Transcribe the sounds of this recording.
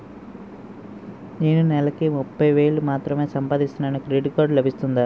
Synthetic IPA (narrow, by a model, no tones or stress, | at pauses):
ne̞ːnunɛlɐkimupːɐjʋe̞ːɭumaːt̪ɾɐme̞ːsɐmpaːd̪ist̪unanɐkɾeɖikoːɾɖlɐbʱist̪und̪a